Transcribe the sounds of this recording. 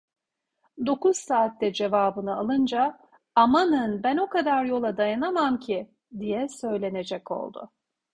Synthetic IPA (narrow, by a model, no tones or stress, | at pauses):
d̪o̞kuz̥saːt̪ːɛd͡ʒe̞vaːbɯnɯalˠɯnd͡ʒa | amanɯnbæno̞kad̪aɾjo̞lˠad̪ajanamamcʰi | d̪ijɛsø̞jlʲe̞ne̞d͡ʒɛcʰo̞̰lˠd̪ʊ̰